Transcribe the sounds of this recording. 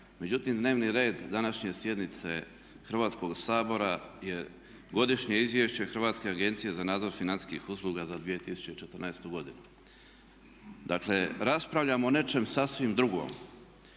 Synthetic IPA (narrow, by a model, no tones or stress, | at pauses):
me̞d͡ʑut̪imd̪ne̞ːʋniɾe̞ːd̪ːanaʃɲe̞sje̞d̪nit̪se̞ | xr̩ʋaːt̪sko̞ɡsaːbo̞ɾaje̞ | ɡo̞d̪iʃɲe̞izʋjeʃt͡ɕe̞xrʋaːt̪ske̞aɡe̞nt̪sije̞zanaːd̪zo̞ɾfinant̪si̥skixuslˠuɡazad̪ʋije̞t̪isu̥t͡ɕe̞it͡ʃe̞t̪rnaest̪uɡo̞d̪inu | d̪akle̞ɾaspɾaʋʎamone̞t͡ʃe̞msasʋimd̪ɾuɡo̰m